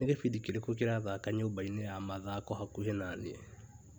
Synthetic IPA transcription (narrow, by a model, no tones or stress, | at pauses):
eɣefidikiɾekokeɾaðakaɲeobainejamaðakɔhakuhenaniɛ